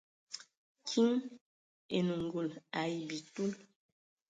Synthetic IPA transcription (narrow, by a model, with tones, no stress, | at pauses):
kʰi˦ŋ | e˨nu˨ŋ˨ɡu˦˨la˨ji˨bi˨tu˦l